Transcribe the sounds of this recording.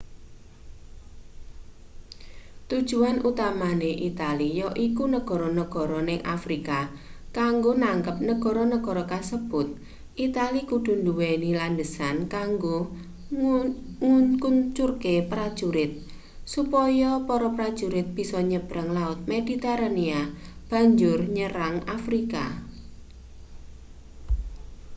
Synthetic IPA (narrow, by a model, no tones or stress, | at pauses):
t̪ud̥ʒ̥uanʔut̪amaneʔit̪alijɔʔikunəɡ̥ɔ̤ɾɔnəɡ̥ɔ̤ɾɔnɪŋʔa̰fɾika | kaŋɡonaŋkəp̚nəɡ̥ɔ̤ɾɔnəɡ̥ɔ̤ɾɔkasəb̥ʊt̪̚ | ʔit̪alikuɖ̥ṳnduwenilandəsankaŋɡo | ŋuɲkuɲt͡ʃurkepɾad̥ʒ̥uɾɪt̪̚ | supɔjɔpɔɾɔpɾad̥ʒ̥uɾɪt̪̚b̥i̤sɔɲəb̥ɾaŋlaʊt̪̚med̥it̪ɛɾaniab̥a̤ɲd͡ʒʊrɲəɾaŋafɾika̰